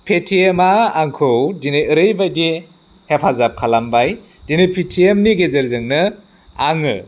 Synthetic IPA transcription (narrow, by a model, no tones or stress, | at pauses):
pʰetʰiemaːŋkʰɯwdineɯɾɯjbajdi | hepʰazap̚kʰalambaj | dinɯpʰitʰiemniɡezeɾzɯŋnɯ | aŋɯ